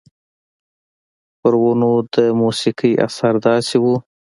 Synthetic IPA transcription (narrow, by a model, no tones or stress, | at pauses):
pəɾwunod̪əmusikijʔa̰saɾd̪ɑsiwu